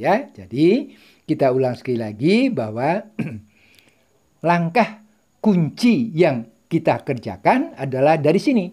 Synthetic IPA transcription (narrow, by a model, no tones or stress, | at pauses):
jad͡ʒadi | kit̪aulaŋsə̥kalilaɡibahwa | laŋkah | kuɲt͡ʃijaŋ | kit̪akərd͡ʒa̰kanadalahdaɾisini